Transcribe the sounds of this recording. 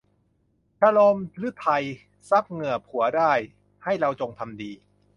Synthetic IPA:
t͡ɕʰa˧lo˧mlɯ˦˥t̪ʰa˧j | sa˦˥p̚ŋɯ˨˩ɐpʰu˩˦ɐdaː˥˩j | ha˥˩jɾa˧wt͡ɕo˧ŋt̪ʰa˧mdiː˧

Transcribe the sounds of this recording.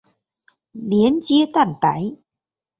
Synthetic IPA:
li˨˦ənt͡ɕi˧˦ət̪a˥˩npa˨˦j

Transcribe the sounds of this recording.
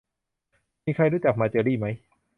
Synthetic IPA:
miː˧kʰa˧jɾuː˥˩t͡ɕa˨˩k̚maː˧t͡ɕɤː˧ɾiː˥˩ma˦˥j

